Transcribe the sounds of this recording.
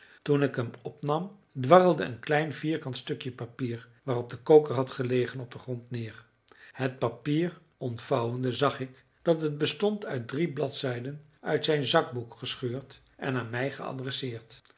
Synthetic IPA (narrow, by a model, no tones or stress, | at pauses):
tunɪkɦəmɔpnɑm | dʋɑrəlˠdəənklɛjnviːɹkɑntstɵkjəpapiːɹ | ʋaːrɔb̚dəkowkəɹɦɑtχəlejχənɔb̚dəχrɔntnɪːɹ | hət̚papiːr | ɔntfɑwəndəzɑχɪk | d̥ɑtɦəd̚bəstɔntʰœɥt̚driblɑtsɛjdən | œɥtsɛjnzɑɡ̚bukχəsχøːɹt | ʔɛ̰naːnmɛjχəɑ̰drɛsɪːɹt